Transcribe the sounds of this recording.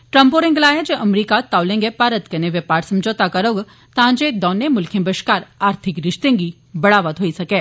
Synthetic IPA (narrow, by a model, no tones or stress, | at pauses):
ʈɾəmpoːɾẽŋɡlaːjad͡ʒeʔɐmɾiːkat̪aːwlẽːŋɡepaːɾət̪kɐneʋjepaːɾsɐmd͡ʒoːt̪akɐɾoɡ | t̪ãːd͡ʒed̪ɔːnemʊlkʰẽbəʃkaːɾaːɾt̪ʰɪkɾɪʃt̪ẽːŋɡi | bɐɽaːʋət̪ɦoːisɐkeː